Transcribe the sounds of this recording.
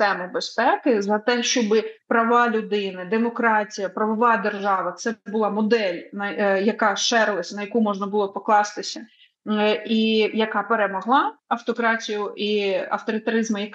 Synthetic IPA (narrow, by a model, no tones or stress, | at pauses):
ɛmʊbespɛkɪzɐt̪ɛʃt͡ʃɔbɪpɾɐʋɑlʲʊd̪ɪnɪd̪emɔkɾɑtʲijɐpɾɐʋɔʋɑd̪erʒɑʋɐt̪sɛbʊlˠɑmɔd̪ɛlʲnɐjɐkɑʃɛɾlˠɐsʲnɐjɐkumɔʒnɐbʊlˠɔpɔklˠɑst̪ɪsʲɐ | ijɐkɑpeɾemɔɦlˠɑɐwt̪ɔkɾɑtʲijʊʔiɐ̰wt̪ɔɾʲɪt̪ɐɾɪzmɐjɐk